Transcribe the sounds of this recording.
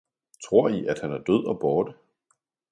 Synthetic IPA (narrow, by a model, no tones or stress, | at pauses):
t͡sʰʁo̝ɐ̰iʔæd̥hænæɐd̥øð̞̰ˠɒ̽b̥ɒːd̥ə